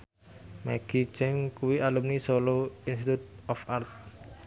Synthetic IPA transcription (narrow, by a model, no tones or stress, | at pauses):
maɡ̥i̤̥t͡ʃɛŋkuwiʔalumnisoloinst̪it̪ut̪̚ɔfart̪̚